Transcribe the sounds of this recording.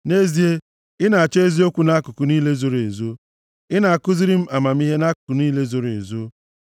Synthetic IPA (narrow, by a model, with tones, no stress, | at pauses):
ne˦zi˨e˦ | ɪ˦na˨a˨t͡ʃe˦e˦zi˦o˦kʷu˦na˦kʊ˨kʊ˨niː˦le˦zo˦ɾe˨zo˦ | ɪ˦na˨a˨kʊ˦zi˦ɾi˦m̩˦a˨ma˨m̩˦i˦ɦe˦na˦kʊ̥˨kʊ˨niː˦le˦zo˨ɾḛ˨zo˦